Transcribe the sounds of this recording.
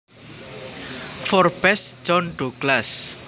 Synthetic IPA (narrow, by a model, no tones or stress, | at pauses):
fɔrb̥ɛsd͡ʒɔnɖoɡlas